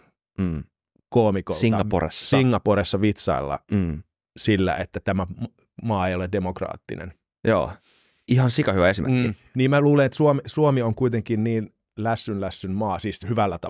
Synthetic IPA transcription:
koːmikolsiŋːɑpo̰rḛsːsiŋːɑpoɾesːɑʋit̪sɑ̰ilːɑ̰ː | silːæ̰ʔet̪ːæt̪æmæm | mɑːejoledemokrɑ̰ːt̪ːḭnḛn | jo̰ː | ihɑnsikɑhyʋæesimekːi | niːmmæluːlenet̪suomisuomioŋkuit̪eŋkinniːn | læsːynlæsːynmɑːsiːshyʋælːæt̪ɑ

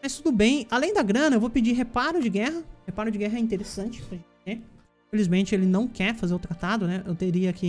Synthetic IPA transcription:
mɐjst̪ud̪ʊbẽj̃alẽj̃d̪ɐɡɾɐ̃nɐewvowpɪd͡ʒiɦepaɾʊd͡ʒɪɡɛɦɐhepaɾʊd͡ʒɪɡɛɦɐɛĩt̪eɾesɐ̃nt͡ʃɪ̥pɾɐʒẽt͡ʃ̪ẽ | felizmẽt͡ʃɪelɪnɐ̃w̃kɛɾfazeɾʊt̪ɾat̪ad̪ʊnɛʔewt̪eɾiɐki

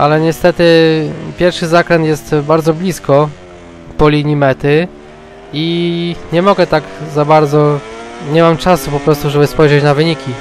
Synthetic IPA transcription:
ʔalɛɲɛst̪ɛt̪ɘpʲjɛɾfʂɘzakɾɛnjɛst̪baɾd̪zɔblʲiskɔ | pɔlʲiɲimɛt̪ɘ | iɲɛmɔɡɛt̪aɡzabaɾd̪zɔɲɛmamt͡ʂasupɔpɾɔst̪uʐɛbɘspɔjʐɛt͡ɕnavɘɲikʲi

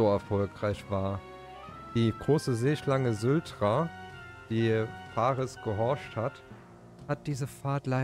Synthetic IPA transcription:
oɛɐfɔlkʁ̥aɪçv̥aːɐ | d̥iːɡ̥ʁoːsəzeːʃlaŋəzʊltʁa | d̥iːp͡faːʁəsɡ̥əɦɔɐʃthat | hat̚d̥iːzəfaːɐtla

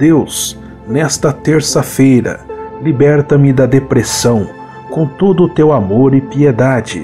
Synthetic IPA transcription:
d̪̥ews | nɛst̪ɐt̪eɾsɐfejɾɐ̰libɛɾt̪ɐmɪd̪ɐd̪epɾesɐ̃w̃ | kõt̪od̪ʊːt̪ewamoɾɪpied̪ad͡ʒɪ̰

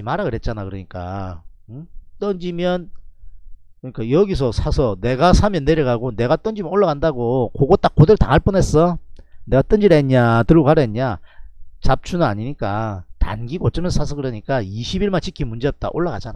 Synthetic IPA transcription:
imaɾaɡɯɾet̚t͡ɕ͈anakɯɾʌɲik͈a̰ɯt͈ʌnd͡ʑimjʌn | kɯɲik͈ajʌɡis̬ʰʌsʰasʰʌne̞ɡasʰamjʌnːeɾjʌɣaɡone̞ɡat͈ʌnd͡ʑimjʌnoɭːaɣandaɡokoɡot͈ak͈ːodɯɭta̰ŋɦaɭp͈unɦe̞s͈ʌne̞ɡat͈ʌnd͡ʑiɾaeɲatɯɭɡoaɾʌeɲa | t͡ɕap̚t͡ɕʰunɯna̰ɲiɲik͈a̰ta̰nɡiɡoʌt͡ɕ͈ʌmjʌnsʰas̬ʰʌkɯɾʌɲik͈aiɕʰibiɭmant͡ɕʰikʰimund͡ʑe̞jʌp̚t͈a̰ʔoɭːaɣa̰d͡ʑana

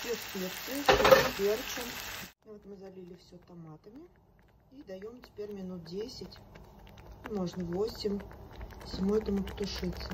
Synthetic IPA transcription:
fʲespʲekt̪sɨt̪opʲert͡ɕəmvɛt̪mɨzɐlʲilʲɪfsʲot̪ɐmat̪əmʲɪ | id̪ɐjomtʲɪ̥pʲeɾʲmʲɪnut̪̚dʲesʲɪtʲ | imo̞ʐnəvo̞sʲɪmʲ | sʲɪmuɛt̪əmʊpə̥t̪ʊʂɨt̪sːə

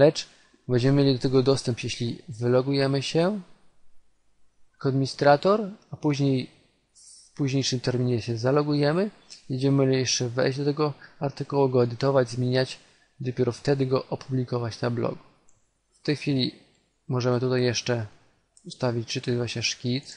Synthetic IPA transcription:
lɛt͡ʂ | bɛɲd͡ʑɛmɘmʲjelʲid̪ɔt̪ɛɡɔd̪ɔst̪ɛmpjeɕlʲivɘlɔɡujɛmɘɕɛ | kɔd̪mʲiɲist̪ɾat̪ɔɾapuʑɲej | puʑɲejʂɘmt̪ɛɾmʲiɲɛɕɛzalɔɡujɛmɘ | bɛɲd͡ʑɛmɘjɛʂt͡ʂɛvɛ̰jʑd͡ʑd̪ɔt̪ɛɡɔaɾt̪ɘkuwuɡɔɛd̪ɘt̪ɔvad͡ʑzmʲeɲat͡ɕ | d̪ɔpʲeɛɾɔft̪ɛd̪ɘɡɔʔɔpʰublʲikɔvat͡ɕnablɔ̰ɡ | ft̪ɛjxfʲilʲi | mɔʐɛmɘt̪ut̪ajːɛʂt͡ʂɛ | ust̪avʲit͡ɕt͡ʂɨt̪ɔzvwaɕɲɛʂkʲit̪s

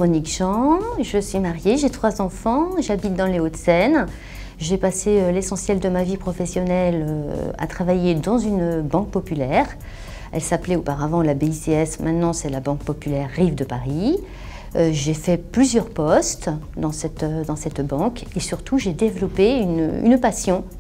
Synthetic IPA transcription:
ʁɔnikʒɑ̃ʒəsɥimaʁjeʒet̪χwazɑ̃fɑ̃ʒabit̪̚d̪ɑ̃leot̪sɛn | ʒepaseølesɑ̃sjɛld̪əmavipχɔfɛsjɔnɛløa̰t̪χavajed̪ɑ̃zynbɑ̃k̚pɔpylɛʁ | ɛ̰lsaplɛopaʁavɑ̃labeiseɛsmɛ̃t̪nɑ̃sɛlabɑ̃k̚pɔpylɛʁːivd̪əpaʁi | øʒefɛplyzjœʁpɔst̪ | d̪ɑ̃sɛt̪ød̪ɑ̃sɛt̪bɑ̃kesyʁt̪ʰuʒed̪evlɔpeyny̰npasjɔ̃

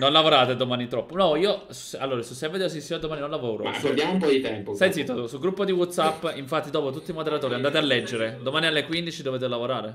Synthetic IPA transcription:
nonlavoɾaːt̪ed̪omaːnit̪ɾɔpːonɔiːo | susalːoːɾasuseved̪eos̬isiad̪omaːninonlavoːɾo̰ma̰kod̪jamoumpɔd̪it̪ɛmpost̪aj̪sit̪ousuɡɾupːod̪iwɔt̪sapːiɱfat̪ːid̪ɔːpot̪̬ut̪ːimod̪eɾat̪oːɾiand̪aːt̪ealːɛd͡ʒːeɾed̪omaːnialːekwind̪it͡ʃid̪oveːt̪̬elavoɾaːɾe

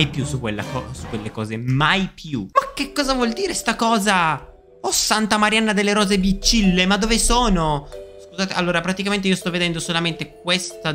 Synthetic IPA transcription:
jpjusukːwelːa̰kɔ̰sukːwelːekɔːzemajpʰjuak̟ːekːɔːzavwɔld̪iːɾest̪akɔːza | ɔsːant̪amaɾjanːad̪elːeɾɔːzebit͡ʃːilːemad̪ːoːvesoːnoskuzaːt̪eʔalːoːɾapɾat̪ik̬ament̪eiːost̪ɔvːed̪ɛnd̪osolament̪ek̚west̪a

